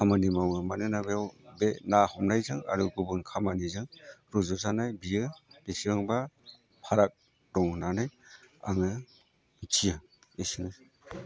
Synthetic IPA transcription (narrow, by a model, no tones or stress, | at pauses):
kʰamanimawɯmanɯnabeawbenahɔmnajzɯŋa̰ɾuɡubɯnkʰamanizɯŋɾɔzɔzanajbiɯb̥esiɯŋba | pʰaɾak̚ | dɔŋnanaja̰ŋɯ | tʰija | esiŋɯ